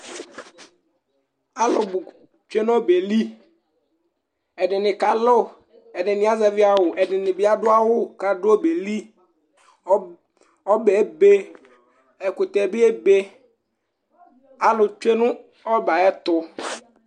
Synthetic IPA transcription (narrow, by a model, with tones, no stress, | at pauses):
a˦lʊ˨bʊ˨ | t͡ʃe˦n˦ɔ˦be˨li˦ | ɛ˨dɪ˨nɪ˨ka˨lo˦ | ɛ˨dɪ˨nɪ˨a˦zɛ˨vɪ˦a˨wʊ˨ʔɛ˨dɪ˨nɪ˨bɪ˦a˦dʊ˦a˦wʊ˦ka˨dʊ˦o˦be˨li˦ | ɔ˦be˨˦be˦ | ɛ˨kʊ˨t̪ɛ˨bɪ˦ɛ˦be˦ | a˦lʊ˨t͡ʃe˦nʊ̃˦ | ɔ˦ba˨ɛ˦t̪ʊ˦